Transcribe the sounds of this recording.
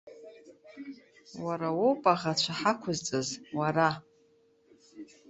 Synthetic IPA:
waɾawowpʼaʁat͡ʃʷʰaħakʷʰʊzt͡sʼɨzwaɾa

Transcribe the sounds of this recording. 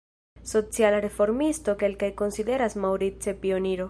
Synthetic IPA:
so̞t͡sialaɾe̞fo̞ɾmisto̞ke̞lkajko̞nside̞ɾasmawɾit͡se̞pio̞niɾo̞

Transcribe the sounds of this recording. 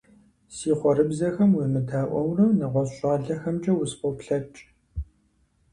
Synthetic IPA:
siːχʷɔɾɨbzɐxɐmwimɨdaːʔʷɔwrɐnɐʁʷɔɕʼɑːɮɐxɐmt͡ʃʼɐwʊspɔwpɬɐt͡ʃʼ

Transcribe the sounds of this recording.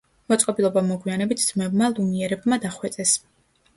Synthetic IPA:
mɔt̪sʼkʼɔbilˠɔbamɔɡwianɛbit̪̚ʰd̪z̥mɛbmalˠumiɛɾɛbmad̪aχwɛt̪sʼɛs

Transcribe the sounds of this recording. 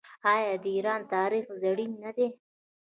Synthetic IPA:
ɑjɑd̪əiɾɑnt̪ɑɾixzaɽinːad̪e

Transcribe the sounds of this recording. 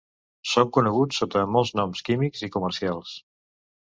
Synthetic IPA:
soŋkunəɣ̞ut͡sːot̪əmɔlˠznɔmskimikzikuməɾsialˠs

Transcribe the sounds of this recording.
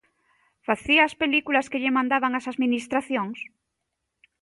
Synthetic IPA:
faθiaːspelikulaskeʎemãnd̪aβaŋasaðminist̪ɾaθjoŋs

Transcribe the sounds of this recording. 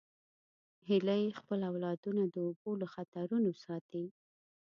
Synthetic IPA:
hɪlajxpəlawlɑd̪unad̪əoboləxat̪aɾunosɑt̪i

